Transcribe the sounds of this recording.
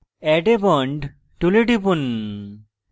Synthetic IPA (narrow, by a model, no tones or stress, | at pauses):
ɛʈebɔɳɖ | ʈuleʈipun